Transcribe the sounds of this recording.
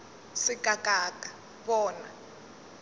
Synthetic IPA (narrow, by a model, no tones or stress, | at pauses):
sɪkʼakʼaːkʼa | βɔːna̰